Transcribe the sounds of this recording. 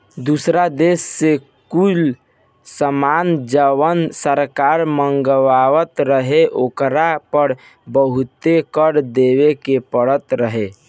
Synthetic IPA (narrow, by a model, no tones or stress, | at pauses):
d̪usɾad̪esːe | kul | səmand͡ʒəwənsəɾkaɾməŋɡʋaʋət̪ɾəɦeʔokɾapəɾ | bəɦut̪ekəɾd̪eʋekepəɽət̪ɾəɦe